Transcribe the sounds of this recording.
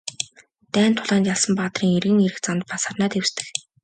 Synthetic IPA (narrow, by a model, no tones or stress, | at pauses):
t̪æːnt̪ʰːʊɮaːnt͡ɕ̪jaɮsə̆mpaːt̪riːŋerɣɘ̆ŋeɾɘ̆xt͡sant̪̚pasarnaːt̪ewst̪ɘ̆x